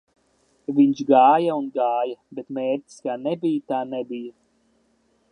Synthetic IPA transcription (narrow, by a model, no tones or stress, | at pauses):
viɲt͡ʃɡaːjaunɡaːjɐbet̪meːɾtʲi̥skaːnɛbijt̪aːnebija